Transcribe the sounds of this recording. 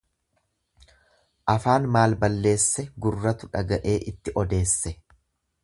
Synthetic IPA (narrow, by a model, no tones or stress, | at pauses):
ʔɐfaːnmaːlbɐlːe̞ːsːɛɡʊrːɐt̪ʊᶑɐɡɐʔe̞ːʔɪt̪ːɪʔɔd̪e̞ːsːɛ